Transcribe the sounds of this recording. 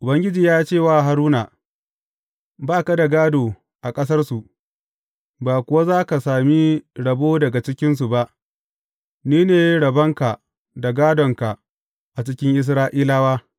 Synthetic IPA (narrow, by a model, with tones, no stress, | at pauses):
ʔʊ˨bɐ˦ŋɡʲɪ˦d͡ʒiː˨jaː˦t͡ʃeː˦˨waː˦˨ɦa˨ɾuː˦na˨ | baː˦˨ka˦da˨ɡaː˦doː˨ | ʔa˨kʼɐ˦s̬ɐ˦rsu˨ʔ | baː˨kʷʊ˦wa˦zaː˦ka˨saː˨mi˦ɽɐ˨boː˦dɐ˨ɡa˨t͡ʃɪ˦kʲɪ˦ns̬u˨ba˦ʔ | niː˦neː˨jɽɐ˨bɐ˦ŋka˨ | da˨ɡaː˦dɔ˨ŋka˨ | ʔa˨t͡ʃɪ˦kʲɪ˦ŋʔɪ˦s̬ɾaː˦ʔiː˦laː˦waː˦